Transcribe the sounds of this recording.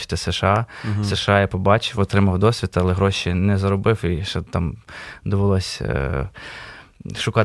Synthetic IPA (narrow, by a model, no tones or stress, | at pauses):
ɪ̥t̪ɪseʃɑseʃɑjapɔbɑt͡ʃɪwɔt̪ɾɪmɐwd̪ɔsʲʋʲit̪ɐɐlˠɛɦɾɔʃinɛzɐɾɔbɪwiʃɛt̪ɑmd̪ɔʋolˠɔsʲ | ʃʊkɑ